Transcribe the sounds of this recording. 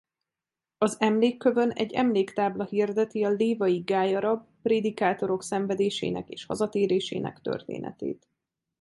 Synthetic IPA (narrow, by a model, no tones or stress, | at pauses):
ɒzɛmleːkːø̞vø̞nɛ̰ɟːɛ̰mleːkt̪aːblɒhird̪ɛt̪iɒleːvɒjiɡaːjɒɾɒbːreːd̪ikaːt̪o̞ɾo̞ksɛɱvɛd̪eːʃḛːnɛkḛːʃhɒ̰zɒt̪eːɾeːʃḛːnɛ̰kt̪ø̰rt̪ḛːnʔɛ̰t̪ḛːt̪